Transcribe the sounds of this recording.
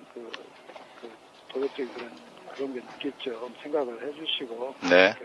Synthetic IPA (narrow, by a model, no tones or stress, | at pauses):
kɯ | kɯ | tobʌk̚t͡ɕ͈ʌɡikɯɾʌn | kɯɾʌnɡenɯk͈et̚t͡ɕ͈oɯnsʰe̞ŋɡaɡɯɭhe̞d͡ʑuɕʰiɡonekɯ